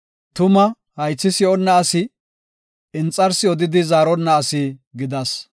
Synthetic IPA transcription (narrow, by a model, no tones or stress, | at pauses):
t̪ʊmɐ | hɐjt͡sːɪsɪɔnːɐːsɪ | ɪnt͡sʼːɐɾsɪɔd̪ɪd̪ɪzaːɾɔnːɐːsɪɡɪd̪ɐs